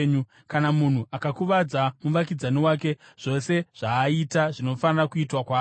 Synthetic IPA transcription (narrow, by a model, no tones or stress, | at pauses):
ɲu | kanamun̤uʔakakuʋad͡zamuʋak̬id͡zaniwaːk̬e̞ʐ̥o̞se̞ʐ̥aːitaʐino̞fanirakuitwakwaː